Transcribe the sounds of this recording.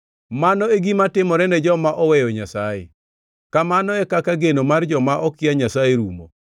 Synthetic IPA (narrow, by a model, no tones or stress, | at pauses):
manɔeɡimatɪmɔɾɛnɛd͡ʒɔmaʔɔwɛjɔɲasajḛ | kamanɔɛkakaɡenomard͡ʒɔmaʔɔkɪaɲasajeɾumo